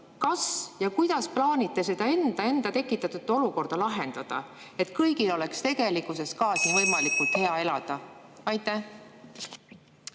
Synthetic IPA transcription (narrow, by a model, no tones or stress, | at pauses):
kɑsjɑkujd̪̥ɑsplɑːnʲit̪ˑːe̞se̞d̪̥ɑe̞nd̪̥ɑe̞nd̪̥ɑt̪e̞kːˑit̪ːˑɑt̪ːut̪ːˑo̞luko̞rd̪̥ɑlɑɦend̪ɑd̪̥ɑ̰e̞t̪ˑkɤjɡilo̞le̞kst̪e̞ɡe̞likˑːuse̞skɑːsivɤjmɑlikult̪he̞ɑe̞lɑd̪̥ɑɑjt̪ːˑæh